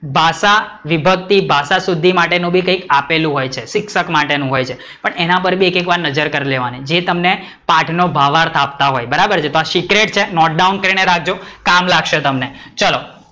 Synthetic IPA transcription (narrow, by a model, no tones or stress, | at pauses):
bʱasaʋibʱəɡ̚t̪ibʱasasud̪ʱimaʈenũbʱikəikapelũɦojt͡ʃʰesɪkʃəkmaʈenũɦojt͡ʃʰe | pəɳenãp̬əɾbʱiekekʋaɾnəd͡ʒəɾkəɾleʋanid͡ʒet̪əmne | paʈʰnobʱaʋaɾt̪ʰap̚t̪aɦojbəɾabəɾt͡ʃʰet̪oasɪkɾeʈt͡ʃʰenɔʈ̚ɖaunkəɾineɾak̚ʰd͡ʒokamlaɡʃet̪əmnet͡ʃəlo